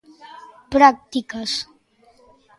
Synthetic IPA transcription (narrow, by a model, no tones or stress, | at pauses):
pɾak̚t̪ikəs